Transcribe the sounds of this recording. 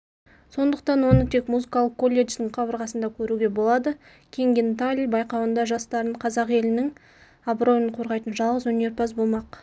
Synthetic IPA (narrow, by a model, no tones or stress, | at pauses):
so̞nd̪əqt̪ɑnwo̞nət̪ʰe̞kmuzɨkɑlˠəq̚kːo̞lʲːe̞ʒd̪ɪɴqʰɑbəɾʁɑsənd̪ɑkʲʰɵɾuɡʲe̞bo̞lˠɑd̪ə | kʲʰe̞ŋɡʲent̪alʲibɑjqɑwənd̪ɑʒɑst̪ɑɾəɴqʰɑzɑqe̞lɪnɪŋ | abro̞jəɴqʰo̞ɾʁɑjt̪ənʒɑlˠʁəzwɵne̞ɾpʰɑsbolˠmɑq